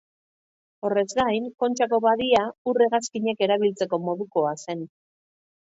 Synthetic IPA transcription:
o̞re̞zɡajŋko̞nt͡ʃako̞βaðiaure̞ɣaskiɲeke̞ɾaβ̞ilt͡se̞ko̞mo̞ðuko̞ase̞n

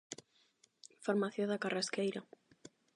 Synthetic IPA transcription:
faɾmaθjoðakaraskejɾa

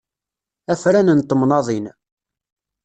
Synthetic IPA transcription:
æfɾænənt̪ˤːəmnɑðˤin

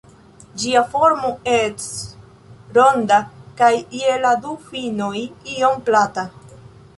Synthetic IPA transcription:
d͡ʒiafoɾmoes | ɾondakajieladufino̞jiomplata

